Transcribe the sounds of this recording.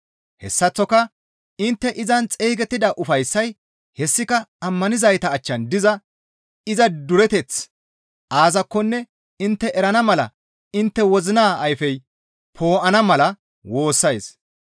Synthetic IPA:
hɛsːɐt͡sːɔkɐ | ɪnt̪ːɛʔɪzɐnt͡sʼeːɡɛt̪ːɪd̪ɐʔʊfɐjsːɐj | hɛsːɪkɐɐmːɐnɪzɐjt̪ɐːt͡ʃːɐnd̪ɪzɐ | ɪzɐd̪ʊɾɛt̪ɛt͡s | ʔaːzɐkːɔnːɛ | ɪnt̪ːɛʔɛɾɐnɐmɐlɐ̰ | ɪnt̪ːɛwɔzɪnaːɐjfɛj | pʰo̞ːʔɐnɐmɐlɐ | wo̞ːsːɐjs

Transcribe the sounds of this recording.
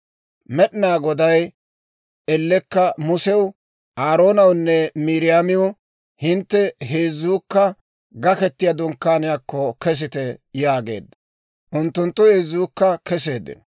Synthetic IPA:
mɛɗɪnaːɡɔd̪ɐj | ɛlːɛkːɐmʊsɛwʊ | ʔaːɾo̞ːnɐwnːɛmiːɾɪjaːmɪwʊ | hɪnt̪ːɛɦeːzuːkːɐ | ɡɐkɛt̪ːɪjɐd̪ɔŋkːaːnɪjakːɔkɛs̬ɪt̪ɛjaːɡe̞̰ːd̪ːɐ | ʔʊnt̪ːʊnt̪ːʊheːzuːkːɐkɛse̞ːd̪ɪ̰n

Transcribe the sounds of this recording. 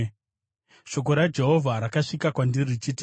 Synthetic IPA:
ʃo̞k̬o̞ɾad͡ʒe̞ɦo̞vʱaɾakaʂikakwandirit͡ʃiti

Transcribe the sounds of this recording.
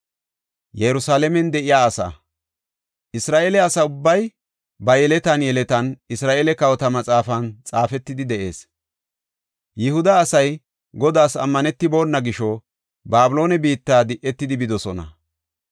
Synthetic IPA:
jɛjɾʊsaːlɛmɛnd̪ɛʔɪjaːɐsɐ̰ | ʔɪsɾaːʔeːlɛɐsɐʊbːɐj | bɐjɛlɛt̪ɐnjɛlɛt̪ɐnɪsɾaːʔeːlɛkɐwɔt̪ɐmɐt͡sʼaːfɐnt͡sʼaːfɛt̪ːɪd̪ɪd̪ɛʔe̞̰ːs | jɪhʊd̪ɐːsɐj | ɡɔd̪aːsɐ̰mːɐnɛt̪ːɪbo̞ːnːɐɡɪʃɔ | baːbɪlo̞ːnɛbiːt̪ːaːd̪ɪʔɛt̪ːɪd̪ɪbɪd̪ɔsɔnɐ̰

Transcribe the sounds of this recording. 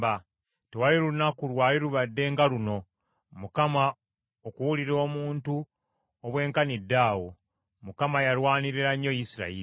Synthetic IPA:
ba | tewaliɾunakulwaːliɾuβadːe̞ŋɡaluno̞ | mukama | okuwuliɾo̞ːmuːntu | oβwe̞ːŋkanidːaːwo̞ | mukamajalwaːniɾiɾaɲːo̞jisiɾa̰i

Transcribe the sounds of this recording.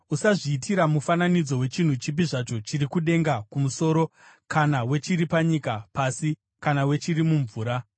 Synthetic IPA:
usaʐiːtiɾamufananid͡zo̞we̞t͡ʃin̤ut͡ʃip̬iʐat͡ʃo̞t͡ʃiɾikuɗe̞ŋɡakumuso̞ːɾo̞ | kanawe̞t͡ʃiɾipaɲikapasi | kanawe̞t͡ʃiɾimuɱvuːɾa

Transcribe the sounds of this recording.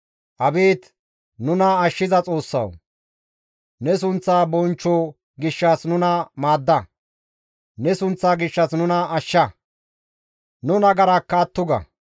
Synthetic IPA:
ʔɐbeːt̪ | nʊnɐɐʃːɪzɐt͡sʼo̞ːsːɐ̰w | nɛs̬ʊnt͡sːaːbɔnt͡ʃːoː | ɡɪʃːɐsnʊnɐmaːd̪ːɐ | nɛsʊnt͡sːaːɡɪʃːɐsnʊnɐɐʃːɐ | nʊnɐɡɐɾɐkːɐːt̪ːʊɡɐ̰

